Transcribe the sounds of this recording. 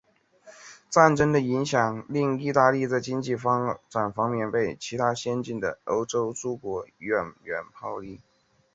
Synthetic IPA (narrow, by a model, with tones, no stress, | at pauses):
t͡sa˥˩nʈ͡ʂə˥ŋd̪ə˨i˧˥ŋɕjɑ˨˩ŋli˥˧ŋi˥˧t̪a˥˧li˥˧t͡sa˥˩ɪt͡ɕi˥ŋt͡ɕi˥˩fɑ˥ŋʈ͡ʂa˨˩nfɑ˥ŋmjɛ˥˧npe˥˩ɪt͡ɕʰi˧˥t̪ʰa˥ɕjɛ˥nt͡ɕi˥˩nd̪ə̰˩o˧˥ʊʈ͡ʂo˥ʊʈ͡ʂu˥kwɔ˧˥ɥɛ˨˩nɥɛ˨˧˩npʰɑ˥˧ʊli˥˩